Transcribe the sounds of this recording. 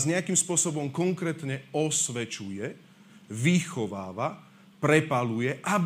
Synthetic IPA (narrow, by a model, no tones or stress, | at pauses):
zɲɛakimspʊɔsɔbɔmkɔŋkɾɛːt̪ɲɛɔsʋɛt͡ʃujɛ | ʋixɔʋaːʋa | pɾɛpalujɛʔab